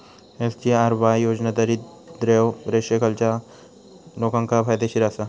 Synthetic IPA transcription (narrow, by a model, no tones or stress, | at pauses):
esd͡ʒiaɾbajoːd͡ʒnad̪aɾid̪ɾewɾeʃjəkəlt͡ʃa | loːkãŋkapʰaːjd̪eʃiɾaːsa